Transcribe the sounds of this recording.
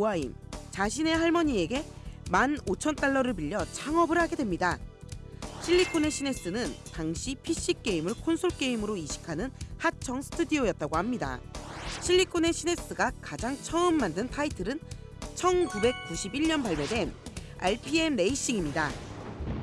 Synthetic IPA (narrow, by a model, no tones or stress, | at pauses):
oaḭmt͡ɕaɕʰine̞ɦaɭmʌɲie̞ɡe̞ | manot͡ɕʰʌnt͈aɭːʌɾɯɭpiʎːʌt͡ɕʰaŋʌbɯɾhaɡe̞dwe̞mɲida | ɕʰiʎːikʰone̞ɕʰine̞s͈ɯnɯntaŋɕʰipʰiɕ͈ik͈̚e̞imɯɭkʰonsʰoɭk͈e̞imɯɾoiɕʰi̥kʰanɯnhat͡ɕʰʌŋsʰɯ̥tʰudiojʌt̚t͈aɡohamɲida̰ɕʰiʎːikʰone̞ɕʰine̞s͈ɯɡakad͡ʑaŋt͡ɕʰʌɯmːandɯntʰaitʰɯɾɯn | t͡ɕʰʌnkube̞k̚kuɕʰibiɭɲʌnpaɭme̞de̞n | a̰ɭpʰie̞mne̞iɕ͈iŋimɲida